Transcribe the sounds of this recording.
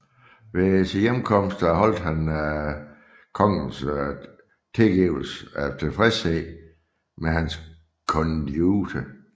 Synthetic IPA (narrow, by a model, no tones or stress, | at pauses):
ʋe̝si̥jemkʰɒ̽m̰sd̥ɦɒ̽l̰d̥hæn | kʰɒ̽ŋ̰n̩s | t͡sʰelɡ̥iʊ̰l̩sæt͡sʰe̝lfʁɛsɛ | meɦæns | kʰɔndud̥ə